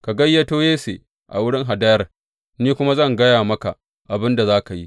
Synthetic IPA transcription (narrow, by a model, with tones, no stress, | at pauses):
ka˨ɡɐ˦jːɐ˦toː˦jeː˦seː˨ | ʔa̰˨wʊ˦ɽɪ˦ŋɦa˨dɐ˦jɐ˦r | niː˦kʷʊ˦ma˦zɐ˦˨ŋɡɐ˦jaː˨mɐ˦ka˨ | ʔa˨bɪ˦nda˨zaː˦ka˨ji˦